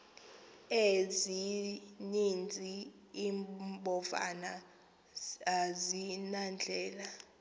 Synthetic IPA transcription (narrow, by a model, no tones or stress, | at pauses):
ezinind͡zʱiː | mbɔva̰na | zinand͡ɮʱɛːla